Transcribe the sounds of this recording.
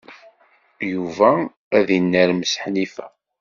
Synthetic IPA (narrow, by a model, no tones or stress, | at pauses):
juvæ | æðinːəɾməsə̥ħnifæ̰